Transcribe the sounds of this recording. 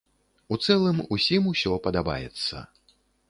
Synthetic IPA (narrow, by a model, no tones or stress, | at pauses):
ut̪sɛlˠɨmusʲimusʲɔpɐd̪aba̰jɛ̰t̪sːɐ̰